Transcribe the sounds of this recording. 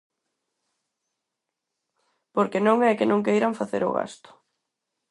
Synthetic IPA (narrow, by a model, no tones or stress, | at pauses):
poɾkenõŋɛkɪnõŋk̬ejɾaɱfaθḛɾʊ̰ɣa̰st̪ʊ̥